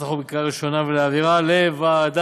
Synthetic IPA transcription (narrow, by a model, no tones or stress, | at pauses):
aχobikaʁiʃonaveleaviʁalevad̪a